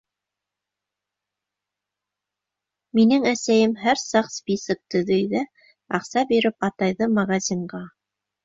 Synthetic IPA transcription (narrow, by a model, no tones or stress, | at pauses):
minɘŋæsæjɘmɦæɾsɑqspʲisɤk̚t̪ɵ̆ðɘjðæ | ɑqsɑbiɾɘpɑt̪ɑjðɤmɐɣɑzʲiɴɢɑ